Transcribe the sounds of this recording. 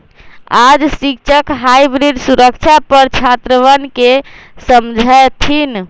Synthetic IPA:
ad͡ʒsik̚t͡ʃʰəkɦajbɾiɖsuɾəkt͡ʃʰapəɾt͡ʃʰat̪ɾəʋənke | səmd͡ʒʱajt̪ʰin

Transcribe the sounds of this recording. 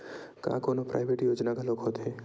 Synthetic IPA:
ka̰ːkoːnopɾʔa̰ːɪʋeːʈjoːd͡ʒnakaloːɡɦoːt̪ɦe

